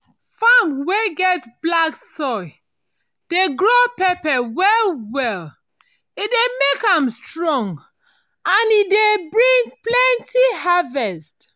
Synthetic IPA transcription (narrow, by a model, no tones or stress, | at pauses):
famweɡɛtblaksɔɪ | d̥eɡɹopɛpɛwɛlwɛl | idemekãmstɹɔ̃ŋɡ | ãnidebɹĩŋplɛ̃ntʰihavɛst